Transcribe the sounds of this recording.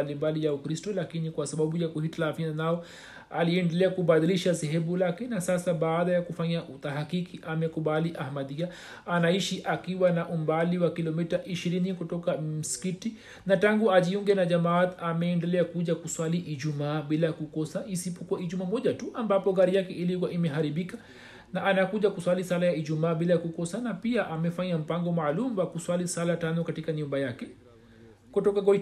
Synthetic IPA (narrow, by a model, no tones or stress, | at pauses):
alimbalijaukɾistɔlakinikwasaɓaɓujakuhitalavinanaɔ | a̰liɛndɛlɛakuɓaðiliʃasɛɦɛmulakɛnasasaɓaːɗajakufaɲaʔut̪aɦakikiʔamɛkuɓaliʔahmaðia | anaiʃiʔakiwanaʔum̩baliwakilɔmitaʔiʃiɾinikutɔkam̩si̥kiti | nataŋɡuaʄiuŋɡɛnaʄamat̪amɛːndɛlɛakuʄakuswaliʔiʄumaːɓilajakukɔsaʔisipɔkuaiʄumamɔʄatuʔambapɔɣaɾijakɛʔilik̬waʔimɛɦaɾiɓika | naʔanakuʄakuswalisalajaiʄumaːɓilajakukɔsanapiaʔamɛfaɲam̩paŋɡɔmaːlumuwakuswalisalatanɔkatikaɲumbajakɛ | kutɔkaɡɔ